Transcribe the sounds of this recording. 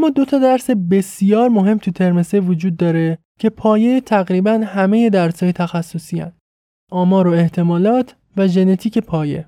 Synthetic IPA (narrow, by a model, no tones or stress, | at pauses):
æmːɒːd̪o̞t̪ʰɒd̪æɾse̞be̞sijɒːɾmo̞ɦe̞mt̪ʰut̪ʰe̞ɾme̞sevod͡ʒuːd̪ːɒːɾe̞ | cʰe̞pʰɒːjet̪ʰæɣɾiːbænhæme̞je̞d̪æɾsɒːjet̪ʰæxæsːosiæ̰nd̪̥ | ʔɒːmɒːɾoe̞ht̪ʰe̞mɒːlɒːt̪ʰ | væʒe̞ne̞t̪ʰiːcʰe̞pʰɒːje̞̰